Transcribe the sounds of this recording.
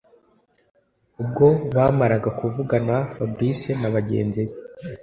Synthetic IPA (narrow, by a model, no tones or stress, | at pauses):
ub̚ɡo̞βaːmaɾaɡakuvuɡanafabɾisenaβaɟe̞̰ːnzi